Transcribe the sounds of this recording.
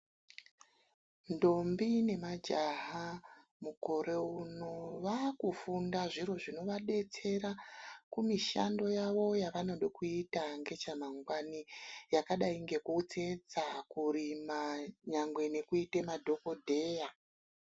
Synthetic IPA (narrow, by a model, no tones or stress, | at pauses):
ndo̞mbine̞mad͡ʒaɦa | muko̞ɾe̞uno̞ʋakufundaʐiro̞ʐino̞ʋaɗe̞t͡se̞ɾakumiʃa̰ndo̞jaʋo̞jaʋano̞ɗokuitaŋɡe̞t͡ʃamaŋɡwanijakaɗaiŋɡe̞kuut͡se̞d͡zakuɾimaɲaŋɡwe̞ne̞kuitemadʱo̞ko̞dʱe̞ːja